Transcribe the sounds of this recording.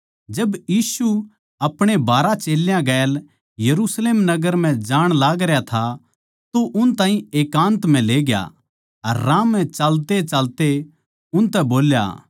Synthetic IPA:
d͡ʒɐbjiːsu | ɐpɽ̃ebaːɾat͡ʃeːljãɡɛːl | jɐɾusleːmnɐɡəɾm̤ɛ̃d͡ʒaːɽ̃laːɡɾjat̪ʰa | t̪oʔʊnt̪ãːɦĩeːkãːnt̪m̤ɛ̃leːɡja̰ | ɐ̰ɾːãːmːɛ̃t͡ʃalt̪et͡ʃaːlt̪e | ʊnt̪ɛboːlja̰

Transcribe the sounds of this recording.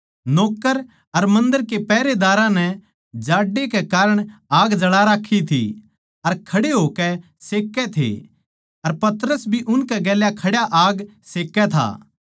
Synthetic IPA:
noːkːəɾ | ɐɾmɐ̃nd̪əɾkepɛːɾed̪aːɾãnɛ | d͡ʒaːɖːekekaːɾəɽ̃aːɡd͡ʒɐɽaɾaːkʰːit̪ʰḭ | ɐɾkʰɐɽeɦoːkɛ | seːkːɛt̪ʰḛ | ɐɾpɐt̪ɾəsbʱiʔʊnkɛɡɛːljakʰɐɽjaʔaːɡseːkːɛt̪ʰa̰ː

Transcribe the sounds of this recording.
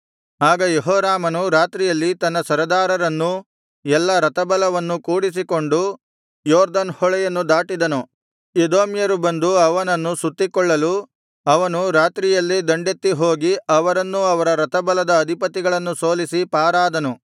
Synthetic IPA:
aːɡɐjeɦɔːɾaːmɐnuɾaːt̪ɾijɐlːit̪ɐnːɐsɐɾɐd̪aːɾɐɾɐnːu | ɛlːɐɾɐt̪ɐbɐlɐʋɐnːukuːɽis̬iko̞ɳɖu | jɔːɾd̪ɐnhɔɭɛjɐnːud̪aːʈid̪ɐnu | ed̪oːmjɐɾubɐnd̪uɐʋɐnɐnːusut̪ːikɔɭːɐlu | ɐʋɐnuɾaːt̪ɾijɐlːid̪ɐɳɖet̪ːiɦoːɡiɐʋɐɾɐnːuɐʋɐɾɐɾɐt̪ɐbɐlɐd̪ɐːd̪ʱipɐt̪ːiɡɐɭɐnːuso̞ːlisipaːɾaːd̪ɐnu

